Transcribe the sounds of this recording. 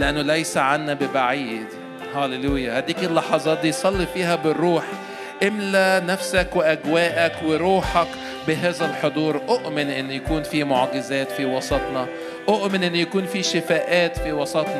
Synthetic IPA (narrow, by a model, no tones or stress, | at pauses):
lɪʔanːʊlæjsaʕanːæbɪbaʕiːd̪ | ħæːleluːjːahæd̪iːkɪlːɑħɑzˤɑːt̪̚d̪iːjsˤɑlːifiːɦæbɪrːuːħ | ʔɪmlænæfsækwɪʔæɡwæːʔækwɪɾˤuːħɑk | bɪɦæːzælħod̪ˤuːɾˤʔoʔmɪnʔɪnːʊjakuːnfimoʕɡɪzæːt̪fiwɑsˤɑt̪ˤnɑ | ʔoʔmɪnʔɪnːʊjakuːnfiːʃɪfæːʔæːt̪fiwɑsˤɑt̪ˤnɑ